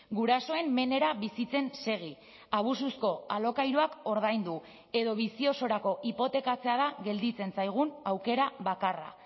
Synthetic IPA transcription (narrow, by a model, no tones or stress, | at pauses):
ɡuɾaso̞e̞mːe̞ne̞ɾaβisit͡se̞nse̞ɣ̞i | aβ̞ususko̞alo̞kajɾoako̞ɾð̞ajnd̪u | e̞ðo̞βisio̞so̞ɾako̞ʔipo̞t̪e̞kat͡se̞aðaɣe̞ld̪it͡se̞nsajɣ̞unawke̞ɾaβakara̰